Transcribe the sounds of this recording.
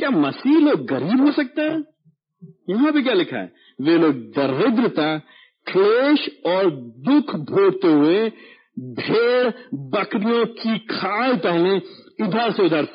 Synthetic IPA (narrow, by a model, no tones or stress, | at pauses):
kjaːmɐsiːɦloːɡːɐɾiːbɦosɐk̚t̪eɦɛ̃ː | jɐɦãbʱik̬ʲjalɪkʰa̰ɦɛ̰ː | ʋeːloːɡ̚d̪ɐɾɪd̪ɾət̪a | kʰleːʃɔːɾd̪ʊkʰbʱoːɽt̪eɦʊe | bʱeːɽbɐkɾijõkikʰaːlpɛɦleʊd̪ʱaːɾseʊd̪ʱaːɾt̪ː